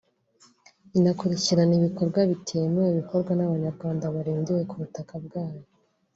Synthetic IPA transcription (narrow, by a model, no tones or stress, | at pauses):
inakuɾiciɾaniβiko̞ɾɡwaβitʰeːmeweβiko̞ɾɡwanaβaɲaɾɡwaːndaβaɾiːndije̞kuβutakabɡaːjo